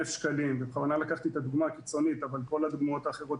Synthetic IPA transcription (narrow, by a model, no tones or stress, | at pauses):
efʃkalimbeχavanalakaχt̪iet̪ad̪uɡmakit͡so̞nit̪avalko̞lad̪uɡmao̞t̪aːχe̞ʁo̞t